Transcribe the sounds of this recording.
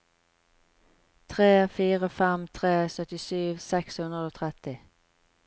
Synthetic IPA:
t̪ʰʁeːfiːʁəfɛmt̪ʰʁeːsœt̪ɪsyːʋsɛkshʉnʁəd̪oːt̪ʰʁɛt̪ɪ

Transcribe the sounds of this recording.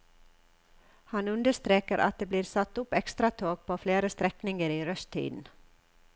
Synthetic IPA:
hɑnʉnd̪əʂt̪ɾeːkəɾʔɑ̰t̪̚d̪eːbliːɾsɑt̪ːʊpːɛkst̪ɾɑt̪ʰoːɡ̚pʰoːfleːɾəst̪ɾɛknɪŋəɾiːɾœst̪ʰḭːd̪n̩

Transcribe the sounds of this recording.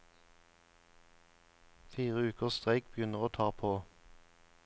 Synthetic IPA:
fiːʁəʉːkəʁst̪ʁæɪkbjʏnəʁoːt̪ʰɑːʁpʰoː

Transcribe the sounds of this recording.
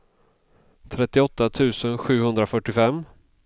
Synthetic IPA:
t̪ʰɾɛt̪ːɪɔt̪ːat̪ʰʉ̟ːsənɧʉ̟ːhɵnd̪ɾafœʈːɪfɛm

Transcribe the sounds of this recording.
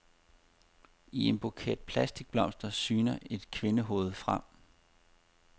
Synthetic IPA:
ie̝nb̥okʰɛ̰ːd̥̚pʰlæsd̥iɡ̥̚b̥lɒ̽m̰sd̥ɐsyːnɐʔe̝d̥kʰʋe̝nəɦo̝̰ːð̞̩ˠfʁam̰

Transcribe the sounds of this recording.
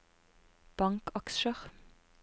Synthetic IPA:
b̥ɑŋkɑkʃəʁ

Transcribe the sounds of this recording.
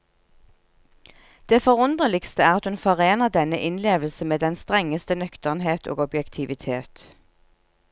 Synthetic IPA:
d̪̥eːfɔʁʊnd̪ʁəlɪkst̪əæːʁɑt̪hʉnfɔʁeːnəʁd̪ɛnəʔɪnleːʋl̩səmeːd̪ɛnst̪ʁɛŋːəst̪ənœkt̪əʁnɦeːt̪ʰo̰ːɡɔbjɛkt̪ʰɪʋɪt̪ʰeːt̪

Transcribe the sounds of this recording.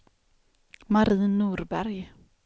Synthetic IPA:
maɾiːnːuːɾbæɾj

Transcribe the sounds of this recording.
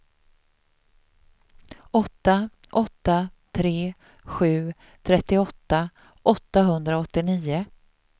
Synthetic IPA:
ɔt̪ːa | ʔɔt̪ːat̪ʰɾeː | ɧʉ̟ː | t̪ʰɾɛt̪ːɪɔt̪ːa | ʔɔt̪ːaɦɵnd̪ɾaɔt̪ːɪniːʊ

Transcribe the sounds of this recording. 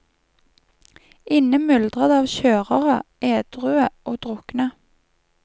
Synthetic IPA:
ɪnəmʏld̪ʁəd̪ɑːʋʃøːʁəʁəʔeːd̪̥ʁʉːəʔoːd̪̥ʁʊknə

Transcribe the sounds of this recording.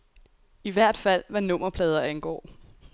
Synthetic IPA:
iʋæɐ̰d̥fæl̰ʋɑnɔ̽m̰ɐpʰlɛːð̞ˠɐænɡ̥ɒ̰ː

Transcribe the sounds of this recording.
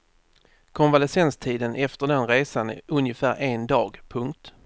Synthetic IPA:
kʰɔnvalɛsɛnst̪ʰiːd̪ənʔɛft̪əɖɛnɾeːsanɵnjəfæːɾʔeːnd̪ɑːɡpʰɵŋk̚t̪

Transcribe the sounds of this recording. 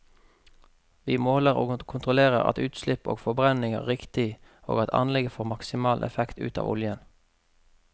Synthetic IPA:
ʋiːmoːləʁo̰ːkʰʊnt̪ʁʊleːʁəʁɑ̰t̪ʉːt̪slɪpo̰ːɡfɔbʁɛnɪŋæ̰ːʁɪkt̪ɪ | o̰ːɡɑt̪ʰɑ̰nlɛɡəfoːʁmɑksɪmɑːlʔɛ̰fɛkt̪ʉ̰ːt̪ɑ̰ːʋʊljən

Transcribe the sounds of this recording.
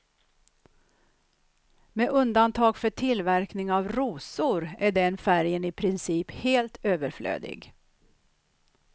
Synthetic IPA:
meʔɵnd̪ant̪ʰɑːɡfœʈʰɪlvæɾknɪŋavɾuːsʊɾæɖɛnfæɾjənɪpʰɾɪnsiːpheːlt̪ʰøːvəɾflø̰ːd̪ɪ̰ɡ

